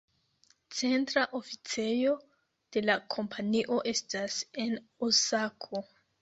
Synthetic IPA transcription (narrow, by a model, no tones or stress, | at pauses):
t͡se̞ntɾaʔo̞fit͡se̞jo̞ | d̥e̞lakʰo̞mpʰaniʔo̞ʔe̞stase̞n | osakʰo̞